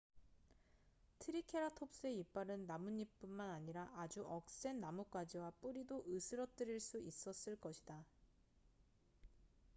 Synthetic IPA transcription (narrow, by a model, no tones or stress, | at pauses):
tʰɯɾikʰe̞ɾatʰop̚s͈ɯe̞ip͈aɾɯnːamuɲːip͈unmanaɲiɾaʔad͡ʑuʔʌk̚s͈e̞nːamuk͈wad͡ʑiwap͈uɾidoʔɯsʰɯɾʌt͈ɯɾiɭs͈uis͈ʌs͈ɯɭk͈ʌɕʰi̥d̥a